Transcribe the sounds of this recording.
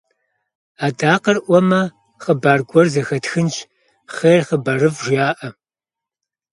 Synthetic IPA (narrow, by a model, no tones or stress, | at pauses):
aːdaːqɐrʔʷɔmɐ | χəbaːrɡʷɔrzɐxɐtxɨnt͡ʃ | χeːrχəbɐrɨvʒjaːʔɐ